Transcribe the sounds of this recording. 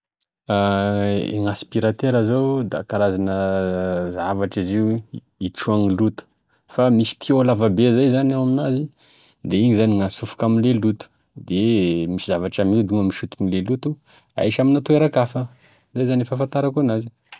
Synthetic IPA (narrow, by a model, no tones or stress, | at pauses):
a | ḛŋaspiɾat̪eɾazawd̪a̰kaɾazanə | zavaʈ͡ʂiziw | iʈ͡ʂuaŋilut̪u̥ | famisi̥t̪ʰiolavabezajzanawaminazi | d̪eiɲizaniŋasufu̥kaminlelut̪u̥ | d̪emisizavaʈ͡ʂamid̪uŋamiʃut̪unilelut̪u | a̰jʃaminat̪oeɾakafə | zajzanefafant̪aɾakonazi̥